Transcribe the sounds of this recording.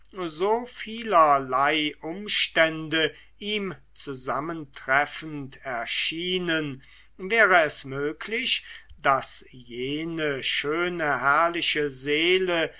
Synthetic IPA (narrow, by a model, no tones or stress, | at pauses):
zoːfiːlɐlaɪʔʊmʃtɛndə | ʔiːm | t͡suzaməntʁ̥ɛfn̩tʰɛɐʃiːnən | vɛːʁəɛsmøːkʰlɪçd̥asjeːnəʃøːnəhɛɐlɪʃəzeːlə